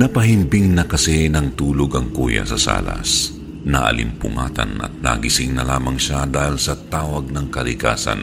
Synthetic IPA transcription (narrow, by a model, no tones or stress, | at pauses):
nɐpɐɦɪmpɪŋnɐkɐsɛnɐŋt̪uːloɡɐŋkuːjɐ̰sɐsa̰ːlɐ̰s | nɐʔɐ̰lɪmpʊŋa̰ːt̪ɐ̰nɐ̰t̪̚na̰ɡɪsɪŋnɐlaːmɐŋʃad̪aːhilsɐt̪aːwɐɡ̚nɐŋkɐlɪka̰ːsɐ̰n